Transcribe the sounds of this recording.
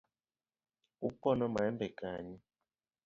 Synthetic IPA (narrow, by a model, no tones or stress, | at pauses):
upɔnɔmaɛmbɛkaɲi